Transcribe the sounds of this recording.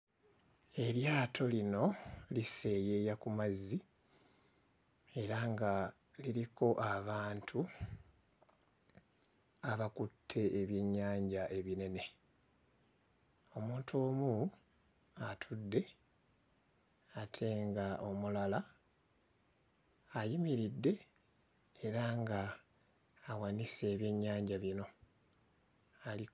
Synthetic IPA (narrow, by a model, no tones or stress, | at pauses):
e̞ɾjaːtʰo̞lino̞lise̞ːje̞ːjakumazːi | e̞ɾaŋɡa | liɾiko̞ʔaβaːntʰu | aβakutʰːe̞ːβjeɲːaːɲɟaʔe̞βine̞ne̞ | o̞muːntʰoːmu | atʰudːe̞ | atʰe̞ŋɡaʔo̞mulala | jimiɾidːe̞ | eɾaŋɡaː | wanise̞ːβje̞ɲːaːɲɟaβino̞ | ali